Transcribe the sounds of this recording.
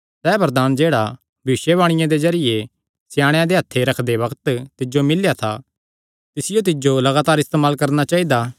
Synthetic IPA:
sɛːbɐɾd̪aːnd͡ʒeːɽa | bʱiːʃjeβaːɽ̃ɪjãd̪ezɐɾɪje | sjãːɽ̃jãd̪eɦɐt̪ʰːeɾɐkʰd̪eʋɐkt̪t̪ɪd͡ʒomɪljat̪ʰa̰ | t̪ɪsɪjot̪̬ɪd͡ʒolɐɡaːt̪aːɾɪst̪eːmaːlkɐɾnat͡ʃaːid̪aː

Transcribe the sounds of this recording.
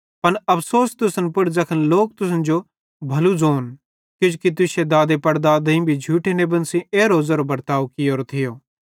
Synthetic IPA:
pɐnɐpʰsoːst̪ʊsənpʊɽd͡zɐkʰənloːk̚t̪ʊsənd͡ʒo | bʱɐlud͡zoːn | kʊd͡ʒkit̪̬ʊsed̪aːd̪epɐɽd̪ad̪ĩbʱid͡ʒʱuːʈʰenebɐnsĩeːɾoːzaɾobɐɾt̪aːokɪjoːɾot̪ʰɪjoː

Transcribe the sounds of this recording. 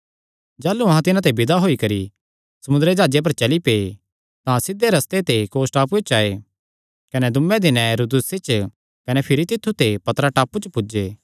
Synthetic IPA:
d͡ʒaːluɐɦãt̪ɪnãt̪ebɪd̪aɦoːikɐɾi | sɐmʊnd̪əɾed͡ʒaːd͡ʒep̬ɐɾt͡ʃɐlipeː | t̪ãsɪd̪ːeɾɐst̪et̪ekoːsʈaːpuet͡ʃaːe | kɐnɛd̪ʊmːẽd̪ɪnɛ̃ɾud̪ʊset͡ʃ | kɐnɛpʰɪɾit̪ɪt̪ʰːut̪epɐt̪ɾaʈaːput͡ʃpʊd͡ʒeː

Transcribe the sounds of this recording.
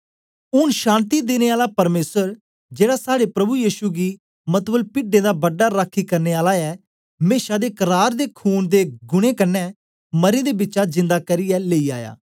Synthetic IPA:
ʊnʃãːnt̪id̪eːneːaːlapɐɾmeːsəɾ | d͡ʒeːɽaːsaːɽepɾɐbujiːʃuɡiː | mət̪bəlpɪɖẽːd̪aːbəɖːaːɾakʰikɐɾneːaːlaɛː | meːʃad̪eːkəɾaːɾd̪eːkʰuːnd̪eːɡʊɽ̃ẽːkɐnːɛː | məɾẽːd̪eːbɪːt͡ʃad͡ʒɪ̃nd̪aːkəɾɪɛleːiːaːja̰ː

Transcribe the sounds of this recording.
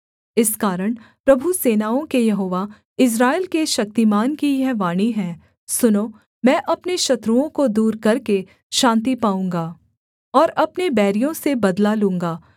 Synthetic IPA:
ɪskaːɾəɽ̃pɾɐbʱuseːnaːõkejɐɦoːʋa | ɪs̬ɾaːelkeʃɐk̚t̪imaːnkijɛʋaːɽ̃iɦɛ̃ː | sʊnoː | mɛ̃ːʔɐpneʃɐt̪ɾuõkod̪uːɾkɐɾke | ʃãːnt̪̬ipaːũːŋɡaː | ɔːɾɐpnebɛːɾijõsebɐd̪lalũːŋɡaː

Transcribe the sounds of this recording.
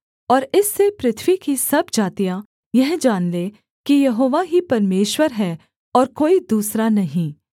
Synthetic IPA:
ɔːɾɪsːepɾɪt̪ʰʋikisɐbd͡ʒaːt̪ijã | jɐɦd͡ʒaːnle | kijɐɦoːʋaɦipɐɾmeːʃwəɾɦɛ | ɔːɾkoːid̪uːsɾanɐɦĩː

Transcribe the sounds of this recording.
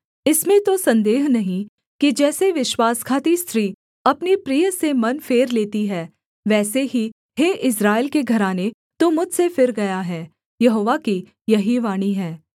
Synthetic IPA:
ɪsmẽt̪osɐ̃nd̪eːɦnɐɦĩ | kid͡ʒɛːseʋɪʃwaːskʰaːt̪ist̪ʰɾiː | ɐpnepɾijəsemɐnfeːɾleːt̪iɦɛː | ʋɛːseɦi | heːʔɪs̬ɾaːɪlkeɡʱɐɾaːne | t̪omʊd͡ʒʱsefɪɾɡɐjaɦɛː | jɐɦoːʋaki | jɐɦiʋaːɽ̃iɦɛː

